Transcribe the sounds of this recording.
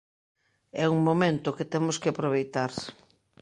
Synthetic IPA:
ɛuŋmomẽnt̪ʊket̪ɛmʊskɪapɾoβ̞ejt̪aɾs

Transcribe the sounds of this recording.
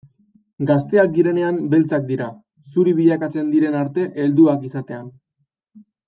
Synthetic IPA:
ɡast̪e̞ak̚d̪iɾe̞ne̞ambe̞lt͡sak̚d̪iɾa | suɾiβiʎakat͡se̞nd̪iɾe̞naɾt̪e̞ʔeld̪uakisat̪e̞an

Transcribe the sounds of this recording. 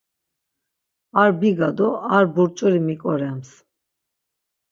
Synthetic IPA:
aɾbiɡad̪ɔaɾbuɾt͡ʃʼuɾimikʼɔɾɛms

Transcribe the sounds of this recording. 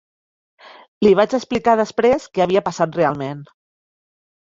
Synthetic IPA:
liβ̞at͡ʃəksplikaðəspɾeskɛaβiəpasat̪̚realˠmen

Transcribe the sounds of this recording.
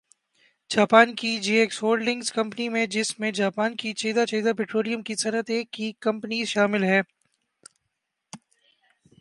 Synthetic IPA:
d͡ʒaːpaːnkid͡ʒiːeːksoːɾɖlɪ̃ŋɡzkɐ̃mpənimẽd͡ʒɪsmẽd͡ʒaːpaːnkit͡ʃɐɦd̪at͡ʃɐɦid̪apeːʈɾoːlijəmkisɐnət̪eːkːikɐ̃mpəniʃaːmɪlɦɛː

